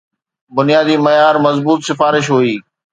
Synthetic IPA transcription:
bʊnijaːd̪iːmɐjaːɾmɐzbuːt̪sɪfaːɾɪʃɦuiː

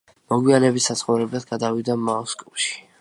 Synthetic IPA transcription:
mɔɡwianɛbisːat̪sχɔwɾɛbɛt̪ʰɡad̪avid̪amaɔskʼɔʃi̥

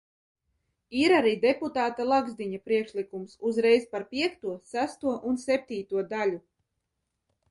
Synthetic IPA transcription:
iɾaɾiːd̪ɛput̪aːt̪alˠaɡzd̪iɲapɾiɛkʃlˠikumsuzɾɛjzpaɾpʲiɛkt̪uɔsæst̪uɔʔunsɛp̚ʲt̪iːt̪uɔd̪alʲu

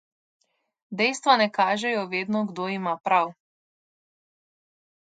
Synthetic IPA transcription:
d̪ɛjst̪ʋanɛkaːʒɛjɔʋeːd̪nɔɡd̪oːimapɾaw

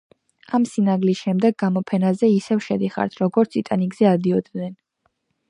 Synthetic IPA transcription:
amsinaɡlisʃɛmd̪ɛɡːamɔpʰɛnazɛisɛvʃɛd̪iχa̰ɾt̪ʰɾɔɡɔɾt̪sʰit̪ʼaniɡzɛad̪iɔd̪nɛn

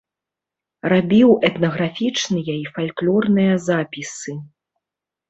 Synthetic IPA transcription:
rabʲiwɛt̪nɐɣɾafʲit͡ʂnɨjɐifalʲklʲɔrnɨjɐzapʲisɨ

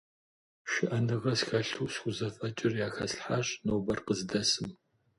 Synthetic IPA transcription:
ʃɪʔɐnɨʁɐsxɐɬuːsxʷʊzɐfʼɐt͡ʃʼɪrjaːxɐ̰sħaɕnoːbɐrqəzdɐsɨm

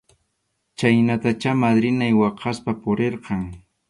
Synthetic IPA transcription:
t͡ʃajnat̪at͡ʃamad̪ɾɪnajwɑqʰɑspapʊɾeɾqɑŋ

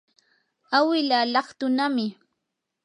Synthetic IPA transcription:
awɪlalɑχt̪ʊnamɪ

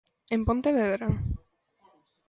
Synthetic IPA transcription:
empont̪eβeðɾa

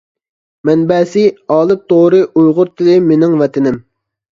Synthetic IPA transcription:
mɛnbɛːsɪɑːlˠɨp̚t̪ʰoɾɨʔujʁʊɾt̪ʰɪlɪmenɪŋvɛt̪ʰɪnɪm

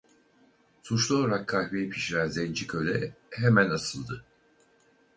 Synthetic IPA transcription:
sʰut͡ʃlˠolˠɾakʰːahvejipʰiʃɾænzɛnʲd͡ʒicʰølʲɛhemænasɯlˠd̪ɯ

